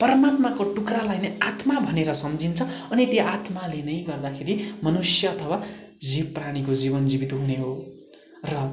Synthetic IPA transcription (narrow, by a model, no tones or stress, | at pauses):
pʌɾʌmat̪makoʈukralajnʌat̪mabʱʌneɾʌsʌmd͡zʱint͡sʰʌʌnit̪joʔat̪malenʌjɡʌrd̪akʰeɾimʌnusjʌːt̪ʰʌwa | d͡zipːraɽ̃ikod͡zibʌnd͡zibit̪uɦuneɦo | rʌ